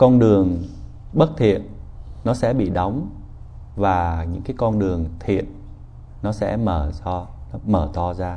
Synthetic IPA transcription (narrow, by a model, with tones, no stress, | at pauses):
kɔ˧nɗɨ˨˩əŋ | ɓə˦˥t̚t̪ʰḭ˧˨ənnɔ˨˦sɛ̰˧˥ɓḭ˧˨ɗɔ˨˦wŋ͡m | vaː˨˩ɲɨ̰˧˥ŋkaː˨˦jkɔ˧nɗɨ˨˩əŋt̪ʰḭ˧˨ət̚ | nɔ˨˦sɛ̰˧˥məː˧˩zɔ˧nɔ˨˦məː˧˩t̪ɔ˧zaː˧